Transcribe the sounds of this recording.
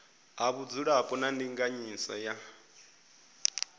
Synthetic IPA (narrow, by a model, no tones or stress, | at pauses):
ɦaβud͡zuɺapʼɔnandiŋɡaɲisɔ̰ja